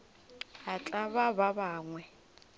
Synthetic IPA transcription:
hat͡ɬʼaβaβabaːŋwɛ

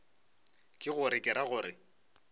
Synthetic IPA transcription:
kʼɪɣʊɾɪkʼɪɾaɣʊːɾɪ

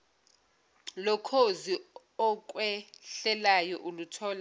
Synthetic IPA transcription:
lɔkʰozi | ɔk̬ʼwɛɬɛlajɔʔulutʰɔːla

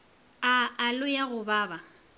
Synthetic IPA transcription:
aːlʊjaɣʊbaːba

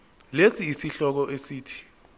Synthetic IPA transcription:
lesiːsiɬɔk̬ɔʔesiːtʰi̥

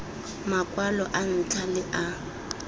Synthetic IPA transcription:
makʼwalɔʔan̩tʰalɪʔa

